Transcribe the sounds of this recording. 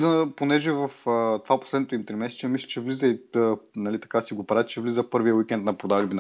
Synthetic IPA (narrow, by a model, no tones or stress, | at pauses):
d̪ɐponɛʒɛvɐfət̪ovapo̥slɛd̪not̪oimt̪ɾimɛsɛ̥t͡ʃɛmislʲi̥t͡ʃɛvlizəiənɐlit̪ɐ̥kasiɡopɾat͡ʃɛvlizəpɤɾviəwikʲɛnt̪̚nɐpɾod̪aʒbin